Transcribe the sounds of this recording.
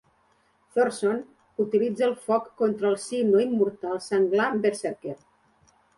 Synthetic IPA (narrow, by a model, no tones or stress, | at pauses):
θoɾson | ut̪ilid͡zəːlˠfɔkːont̪ɾəːlˠsinoimːuɾt̪alˠsaŋɡlabeɾseɾkeɾ